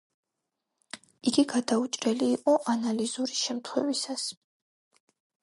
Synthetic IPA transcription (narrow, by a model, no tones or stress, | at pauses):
iɡiɡad̪aut͡ʃʼɾɛliːqʼɔʔanalizuɾiʃɛmt̪ʰχwɛ̰visas